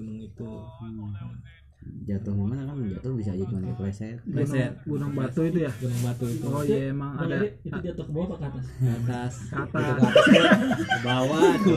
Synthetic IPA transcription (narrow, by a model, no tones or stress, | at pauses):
unaŋit̪u | d͡ʒat̪uhmamanakand͡ʒat̪ubis̬ad͡ʒit̪maniklesɛtɡlunɛɡunaŋbat̪uit̪ujaɡunaŋbat̪uit̪uojaemaŋadait̪udiat̪okəbawapakat̪askat̪askat̪auka | kəbawau